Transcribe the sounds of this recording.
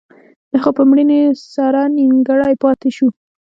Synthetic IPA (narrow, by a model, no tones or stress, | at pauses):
d̪̥əxopəmɽinesɑɾɑniŋɡaɽɑjpɑt̪eʃu